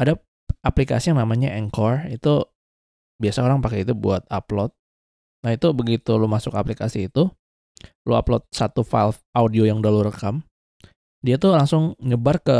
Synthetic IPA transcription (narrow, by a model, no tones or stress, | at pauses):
ada | aplika̰sijaŋnamaɲaʔɛŋkɔrit̪u | biasaoɾaŋpakɛit̪ubṵat̪̚aplɔt̪̚ | nait̪ubəɡit̪ulomasʊkaplikasiːt̪u | loa̰plɔt̪̚sat̪ufa̰lfaudiojaŋdaluɾəkam | diat̪ulaŋsʊŋɲəbarkə